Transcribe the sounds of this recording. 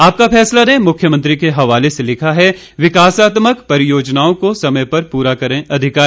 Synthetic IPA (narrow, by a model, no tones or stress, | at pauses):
aːp̚kafʰɛːslanemʊkʰjəmɐ̃nt̪ɾikeɦɐʋaːleselɪkʰaɦɛ | ʋɪkaːsaːt̪məkpɐɾɪjoːd͡ʒnaːõkosɐməjpɐɾpuːɾakɐɾẽɐd̪ʱɪkaː